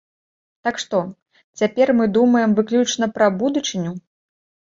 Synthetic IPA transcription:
t̪akʂt̪ɔ | t͡sʲapʲɛrmɨd̪umɐjɛmvɨklʲut͡ʂnɐpɾɐbud̪ut͡ʂɨnʲu

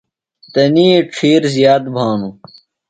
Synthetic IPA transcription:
t̪ɐniːeʈ͡ʂʰiːɾzijaːt̪bʱaːnu

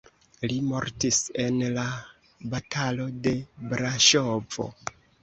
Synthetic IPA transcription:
limo̞̰ɾtise̞nla | batʰalo̞de̞bɾaʃovo̞̰

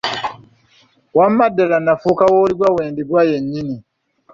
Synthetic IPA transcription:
wamːadɛlanːafukawoːɾiɡʷaweːndiɡʷajeɲɲini

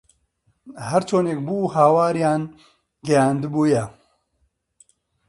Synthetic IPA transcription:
hɐɾt͡ʃʰoːneːk̚buːhaːwaːɾjaːn | ɡɛjaːnd̪ɨbuːjɛ

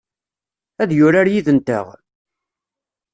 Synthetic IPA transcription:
æðjʊɾaɾjiðənt̪ə̰ʁ

